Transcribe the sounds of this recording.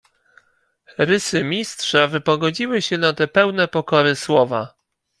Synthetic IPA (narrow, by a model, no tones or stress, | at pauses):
ɾɘsɘmʲistʂavɘpɔɡɔd͡ʑiwɘɕɛnat̪ɛpɛwnɛpɔkɔɾɘswɔva